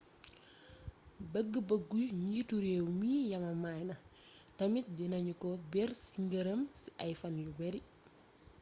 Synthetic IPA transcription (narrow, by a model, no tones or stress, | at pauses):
bəɡːəbəɡːujɲituɾewmiːjɐmɐmajnɐ | tɐmit̚d͡ʒinɐɲukɔbɛrsiŋɡəɾɐmsiʔɐjfɐnjubɛɾi